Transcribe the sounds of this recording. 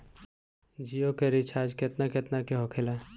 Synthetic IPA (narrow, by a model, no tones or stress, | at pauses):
d͡ʒijokeɾit͡ʃʰaːd͡ʒket̪naket̪nakeɦokʰela